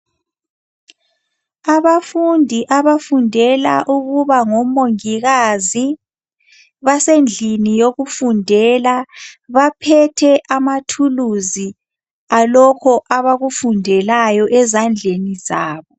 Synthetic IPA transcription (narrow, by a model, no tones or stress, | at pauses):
aβafundʱiʔaβafundʱɛla̰ʔuɣuβaŋɔmoŋiɣazi | βasend͡ɮʱinijoɣufundʱɛlaβapʰɛtʰɛʔamatʰuluzi | alɔkʰɔʔaβaɣufundʱɛlajɔʔɛzand͡ɮʱenizaːβɔ